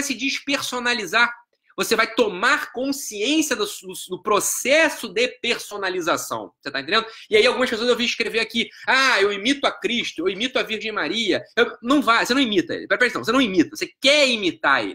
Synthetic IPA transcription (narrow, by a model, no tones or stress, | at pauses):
jsɪd͡ʒiʃpeɾsonaliza | vosevajt̪omaɾkõsiẽsiɐd̪ɐsd̪ʊd̪ʊpɾosɛsʊd̪epeɾsonalizasɐ̰̃w̃o̥set̪aẽt̪ẽd̪ẽd̪ʊiaiawɡũmɐʃpesoɐzewviiʃkɾeveɾakiaewimit̪ʊakɾiʃt̪ʊewimit̪ʊaviɾʒẽj̃maɾiɐewnɐ̃w̃vajosenɐ̃imit̪ɐḛlɪpɛɾpɛɾisɐ̃voseñimit̪ɐvosekɛimit̪aɾḛlɪ